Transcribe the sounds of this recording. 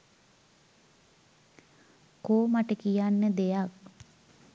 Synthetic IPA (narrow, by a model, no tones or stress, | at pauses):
koːmaʈəkijanːəd̪ejak̚